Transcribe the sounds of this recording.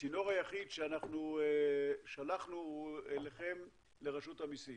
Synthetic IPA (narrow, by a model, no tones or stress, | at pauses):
ino̞ʁajaχidʃeanaχnu | ʃalaχnueleχe̞m | leʁaʃuthamisi